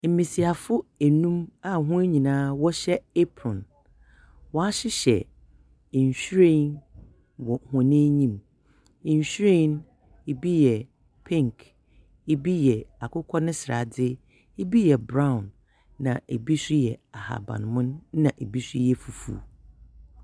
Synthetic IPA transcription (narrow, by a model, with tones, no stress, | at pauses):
m̩˨mĩ˨si˨a˨fʊ˦e˨nũ˦ma˨ɦʊ̃˦e˦ɲĩ˨nãː˦wɔ˦ɕɛ˦e˦pʰɾɔ̃˨n | wɔ˦a˦ɕɪ˦ɕɛ̰˨ | ɲ˨ɕɾẽ˦n | wɔ˨hɔ̃˨nẽ˦ɲĩ˦m̩˨ | ɲ˨ɕᶣɾe˦n | e˨bi˦jɛ˨ | pʰĩ˦ŋkʰ | e˦bi˦jɛ˨a˨kʰʊ˦kʰɔ˦nʊ̃˦sɪ˨ɾa̰˨dɪ˦ | e˦bi˦jɛ˨bɾã˦ʊ̃˨nː | ã̰˨e˨bi˦sɾi˦jɛ˨a˨ha̰˨bã̰˨n˨mʊ̃˦n˦nã˨ʔe˨bi˦sɾi˦jɛ˨fu˨fṵː˨